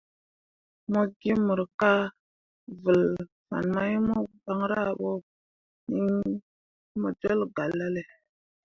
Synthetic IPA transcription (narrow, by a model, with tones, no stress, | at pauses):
mo˦ɡi˦mu˨ɾka˦ | və˨l | fa̰˨nma˦ji˦mo˦ba˦ŋɾa˦˨ɓo˦ | ni˦ŋ | mo˨d͡ʒo˦lɡa˨lːa˦le˨